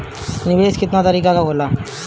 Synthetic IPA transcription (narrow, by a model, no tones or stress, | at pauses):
nɪbeːskɪt̪nat̪əɾiːkakaboːla